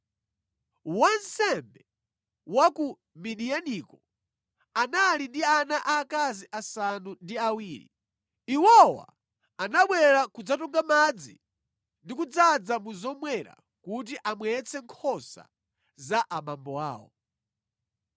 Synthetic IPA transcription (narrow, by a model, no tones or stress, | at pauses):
wansɛmbɛ | waku | miɗijanikɔ | analindianaʔaːkaziʔasanundiawiːɾḭ | iwɔwa̰ | anaɓwɛɾakud͡zatɔŋɡamad͡zḭ | ndikud͡zad͡zamuzɔmwɛɾa̰ | kut̬iʔamwɛt͡sʰɛŋkʰɔsa̰ | zaʔaɓambɔa̰ːwɔ̰